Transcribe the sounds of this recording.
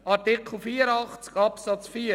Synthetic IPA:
ɑɾtikʰl̩ˠfiːɾəɑχt͡skɑpsɑt͡sfiː

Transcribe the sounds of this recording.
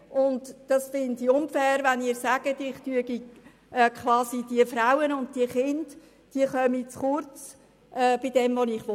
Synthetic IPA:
ʔʊndd̥ɑsfɪndiʊnfɛːɾʋɛnɪːɾsæɡ̥ətɪχtyəɡi | ʔɛkʰχʋɑːsid̥iəfɾawənʊntd̥iəχɪnd | d̥iəχœmit͡sχʊɾt͡s | ʔɛːb̥ɪd̥ɛmvonɪχʋo

